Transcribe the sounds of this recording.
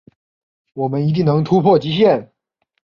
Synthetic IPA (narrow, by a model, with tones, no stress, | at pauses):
wɔ˨˩mə˦ni˧˥t̪̬i˥˩ŋnɤ˧˥ŋt̪ʰu˥pʰwɔ˥˩t͡ɕi˥ɕjɛ˥˩n